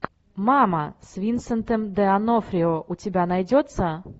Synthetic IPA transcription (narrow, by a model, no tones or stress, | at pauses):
maməsʲvʲint̪sənt̪əmd̪ɛanofɾʲɪoʔutʲɪbʲanajdʲot̪sə